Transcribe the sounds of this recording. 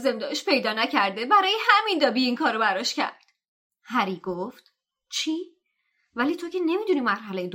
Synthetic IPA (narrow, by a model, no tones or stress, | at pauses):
ze̞md̪ɒːʃpʰe̞jd̪ɒːnæcʰæɾd̪e̞bæɾɒːjehæmind̪ɒːbiiŋkʰɒːɾobæɾɒʃcæ̰ɾd̪̥ | hæɾiːɡoft̪ | t͡ʃʰiː | væliːt̪ʰo̞ce̞ne̞miːd̪uniːmæɾhælejed̪